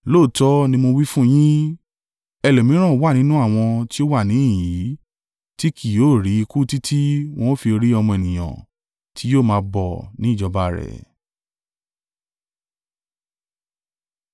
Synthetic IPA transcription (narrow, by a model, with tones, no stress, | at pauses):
lo˦˨tɔ˦nĩ˧mo˧wi˦fũ˦j̃ĩ˦ | ɛ˧lo˨mĩ˨˦ɾ̃ã˦˨o˦wa˦˨nĩ˦nũ˦a˦˨w̃ɔ̃˧ti˦o˦wa˦˨nĩ˨˦˨ji˨˦ | ti˦kʰi˨joː˦˨ɾi˨˦i˧ku˦ti˦tʰi˦w̃ɔ̃˦o˦fi˧ɾi˦ɔ˧mɔ̃˧ɛ˨nĩ˨j̃ã̰˨ | tʰi˨˦joː˦˨mãː˧˦bɔ˦˨nĩ˨˦˨d͡ʒɔ˧ba˧ɾɛ̰˨